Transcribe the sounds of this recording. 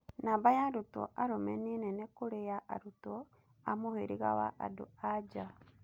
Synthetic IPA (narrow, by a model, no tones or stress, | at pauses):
nabajaɾuto̰ʔaɾomenenɛnekuɾejaʔa̰ɾuto | amoheɾiɣa̰wa̰ʔa̰do̰ad͡ʒa